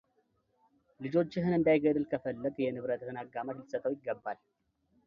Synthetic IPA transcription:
lɨd͡ʒo̞t͡ʃːɪɦɨnɨnd̪ajɡəd̪ɨlkʰəfəlːət̪ʼjɛnɨβɾət̪hɨnaɡamət̪lɨsət̪ʼːəwjɪɡːəbːal

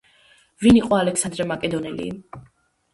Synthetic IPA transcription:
viniqʼɔalɛksand̪ɾɛmakʼɛd̪ɔnɛlḭ

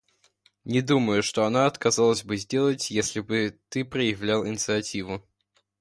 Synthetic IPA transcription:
nʲɪd̪uməjʊʂt̪o̞ɐnaɐt̪kɐzɑlˠəzʲbɨzʲdʲe̞lˠətʲjesʲlʲɪbɨt̪ɨpɾəjɪvlʲalˠɪnʲɪt̪sɨɐtʲivʊ

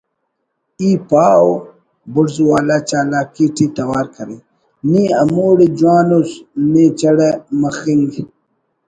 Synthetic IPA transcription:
iːpaːw | buɽzuwaːlat͡ʃaːlaːkiʈit̪ɐwaːɾkɐɾi | niːɐmoːɽid͡ʒwaːnusneːt͡ʃɐɽemɐxiŋɡi

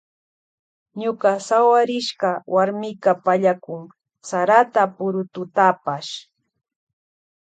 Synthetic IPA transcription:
ɲʊkasawaɾɪʃɢawaɾmɪkapaʎakʊŋ | saɾat̪apʊɾʊt̪ʊt̪apaʃ

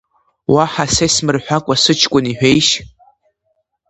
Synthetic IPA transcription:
waħasejsmɨrħʷᶣakʷʼasɨt͡ʃʰkʷʼʊniħʷᶣejʃ

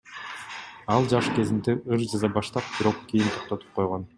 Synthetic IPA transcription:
ɑlˠd͡ʒɑʃke̞zint̪iɯɾd͡ʒɑzɑbɑʃt̪ɑp̚b̥iɾo̞qkijint̪ʰoqt̪o̞t̪u̥p̚qʰo̞jʁon

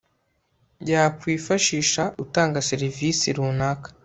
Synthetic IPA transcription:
ɟaːkwiːfaʃiːʃaʔutaːŋɡaseɾivisiɾunaːkḁ

